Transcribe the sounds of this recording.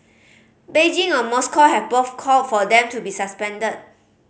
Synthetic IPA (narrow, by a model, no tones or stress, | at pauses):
bed͡ʒĩŋɔ̃nmɔskʰɔhɛvboθkʰɔlt̚fɔdɛ̃mtubisaspɛ̃ndət̚